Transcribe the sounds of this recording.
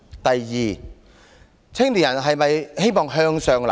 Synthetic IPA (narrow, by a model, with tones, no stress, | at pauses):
t̪ɐ˨jːiː˨˩ | t͡sʰɪ˥ŋliː˨˩jɐ˨˩nɦɐ˨jmɐ˨jhe˥jmɔː˨ŋɦœː˧ŋsœː˨ŋlɐ˨˩